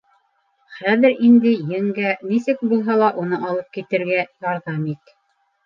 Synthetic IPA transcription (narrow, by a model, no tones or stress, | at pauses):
χæðɘɾind̪ɘjɘ̆ŋɡænisɘk̚bulˠɦɑlˠɑʔunɤʔɑlˠɤp̚kit̪ɘ̆ɾɡæjɑɾðɑmit̪